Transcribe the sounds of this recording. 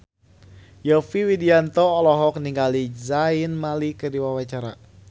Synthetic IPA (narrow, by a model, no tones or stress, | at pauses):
jɔfiwidiant̪ɔːlɔɦɔk̚niŋɡalizainmalikədiwawat͡ʃaɾa̰